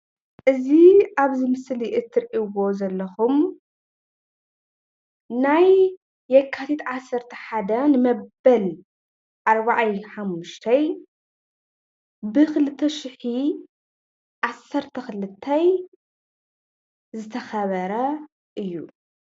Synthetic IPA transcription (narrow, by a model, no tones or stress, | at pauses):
ʔɨziʔaβzɨmɨsliʔɨt̪ʰːɨɾʔiwo̞zɐlːɐxum | najː | ɛkʰːat̪ʰit̪ʕasːɐɾt̪ʰɐħad̪ɐnɨmɐbɐl | ʔaɾbaʕajħamːuʃt̪ʰɐj | bɨxɨlɨt̪ʰːɐʃɪħi | ʕasɐɾt̪ʰɐxɨlɨt̪ʰːɐj | zɨt̪ʰɐxɐβɐɾɐ | ʔɨjːu